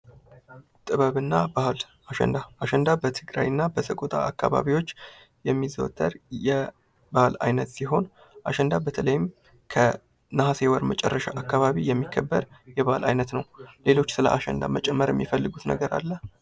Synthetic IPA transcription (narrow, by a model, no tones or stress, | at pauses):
t̪ʼɨβəβɨnːabahl | aʃɛ̰nd̪aaʃɛnd̪abət̪ʰɨɡɾa̰jɨnːabəsəkʼot̪ʼaːkːa̰βa̰βiwo̞t͡ʃː | jɛmːizəwt̪ʼːəɾjɛ | bahla̰jnət̪siɦo̞n | ʔaʃɛnd̪abət̪ʰələjɪm | kʰə | nəɦasewəɾmət͡ʃʼɛrːəʃaʔakːaβaβijɛmːikʰːəbːəɾjɛβahlʔa̰jnət̪nəwle̞lo̞t͡ʃːsɨlə̰ʔaʃɛ̰nd̪a̰mət͡ʃʼɛmːəɾjɛmːifəlːɨɡut̪nə̰ɡəɾa̰lːə